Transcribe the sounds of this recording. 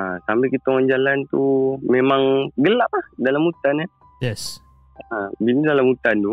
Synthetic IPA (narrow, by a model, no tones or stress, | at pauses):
asampɛkit̪aoŋand͡ʒalant̪umemaŋɡəlap̚lahdalamut̪ana | jɛs | abinidalamut̪ant̪u